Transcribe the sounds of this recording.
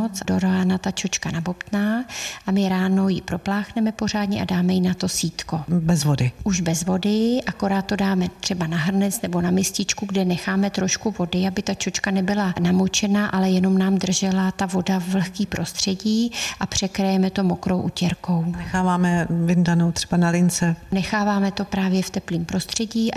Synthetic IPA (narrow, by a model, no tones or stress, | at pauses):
t͡sdoɾaːnat̪at͡ʃo̞t͡ʃkanabo̞pt̪naːʔamɪɾaːno̞jɪpɾo̞plaːxnɛmɛpo̞r̝aːdɲɛ̰ʔa̰daːmɛjɪnat̪o̞siːt̪ko̞bɛzvodɪʔuʒbɛzvo̞dɪʔako̞ɾaːt̪̚t̪o̞daːmɛt̪r̝̥ɛbanaɦr̩nɛt͡snɛbo̞namɪscɪt͡ʃkuɡdɛnɛxaːmɛt̪ɾo̞ʃkuvo̞dɪabɪt̪at͡ʃot͡ʃkanɛbɪlanamot͡ʃɛnaʔalɛjɛno̞mnaːmd̪r̩ʒɛlat̪avo̞davl̩xkiːpɾʔo̞st̪r̝̥ɛɟiːʔapr̝̥ɛkɾajɛmɛt̪o̞mo̞kɾowʔucɛɾko̞wnɛxaːvaːmɛvɪndanowt̪r̥ɛ̥banalɪnt͡sɛnɛxaːvaːmɛt̪o̞pɾaːvjɛft̪ɛpliːmpɾo̞st̪r̝̥ɛɟiː